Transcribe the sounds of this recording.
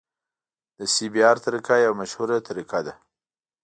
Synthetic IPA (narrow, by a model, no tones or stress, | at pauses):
d̪əsibijɑɾt̪aɾikajawmaʃhuɾat̪ʰaɾikad̪a